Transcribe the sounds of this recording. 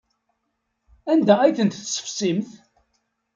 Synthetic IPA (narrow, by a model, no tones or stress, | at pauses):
ænd̪ææjθənt̪θsə̥fsimθ